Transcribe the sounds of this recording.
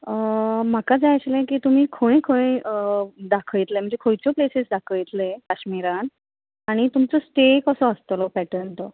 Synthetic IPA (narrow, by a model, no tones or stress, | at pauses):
əm̤akad͡zaət͡ɕlẽkiːt̪um̤iːkʰoɽ̃ẽkʰoɽ̃ẽ | d̪akʰəjt̪lem̤əɳd͡zekʰojt͡sɔplesesd̪akʰəjt̪lekaɕmiɾan | aɽ̃it̪umt͡səsʈekəsɔəst̪lɔpæʈəɳt̪ɔ